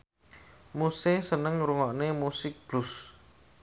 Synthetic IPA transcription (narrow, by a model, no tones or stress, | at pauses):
musesənəŋɾuŋɔʔnemusɪk̚b̥lus